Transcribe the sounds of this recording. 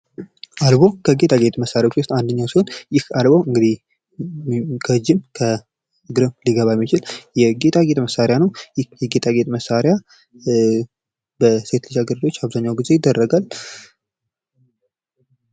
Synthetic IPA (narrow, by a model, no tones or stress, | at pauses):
ʔalbo̞kʰəɡe̞t̪ʼaɡe̞t̪ʼməsːaɾjawot͡ʃːwʊst̪and̪əɲːawsihonjɪhalboɨŋɡɨd̪ih | kʰəd͡ʒɪmkʰə | ɨɡɾəmliɡəβamːit͡ʃɪljɛɡe̞t̪ʼaɡet̪ʼməsːaɾjanəwjɪjɛɡe̞t̪ʰʼaɡet̪ʼməsːaɾɪja | bəset̪lid͡ʒaɡəɾlo̞t͡ʃːaβzaɲːawɡize̞jɪd̪ːərːəɡal